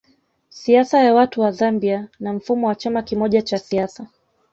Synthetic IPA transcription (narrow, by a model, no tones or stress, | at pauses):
siasajawatuwazambianam̩fumɔwat͡ʃamakimɔʄat͡ʃasiasa